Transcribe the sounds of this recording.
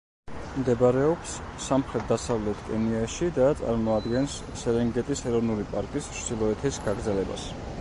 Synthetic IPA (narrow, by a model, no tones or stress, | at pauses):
md̪ɛbɾɛɔpsː | amχɾɛt̪̚d̪asavlɛt̪ʰkʼɛniaʃid̪at̪sʼa̰ɾmɔad̪ɡɛnsːɛlɛŋɡɛt̪ʼisɛɾɔvnulipʼaɾkʼist͡ʃd̪ilˠɔɛt̪ʰisɡaɡɾd̪zɛlɛba̰s